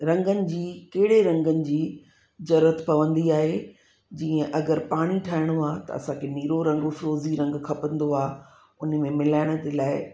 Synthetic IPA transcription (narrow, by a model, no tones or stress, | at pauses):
ɾɐ̃ŋɡənɪ̆d͡ʑiːkeɦɪɽeɾɐ̃ŋɡənɪ̆d͡ʑiː | zɐɾət̪pɐʋə̃nd̪iaːɦe | d͡ʑiːə̃ʔɐɡəɾpaːɽ̃iʈʰaːɪɽ̃oaːt̪ɐ̰ɐ̰sãkʰeniːɾoɾɐ̃ŋɡfɪɾoːziɾɐ̃ŋɡkʰɐpə̃nd̪oaː | ʊnə̆mẽmɪlaːɪɽ̃ə̆d̪elaːɪ